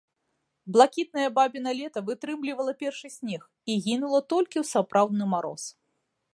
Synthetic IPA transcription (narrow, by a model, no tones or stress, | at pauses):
blˠakʲit̪̚nɐjɐbabʲinɐlʲɛt̪ɐvɨt̪ɾɨmlʲivɐlˠɐpʲɛrʂɨsʲnʲɛx | iɣʲinulˠɐt̪ɔlʲkʲiwsapɾʔawd̪̚nɨmaɾɔ̰s